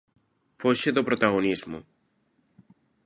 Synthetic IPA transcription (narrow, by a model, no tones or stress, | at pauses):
foʃeðopɾot̪aɣonizmo̰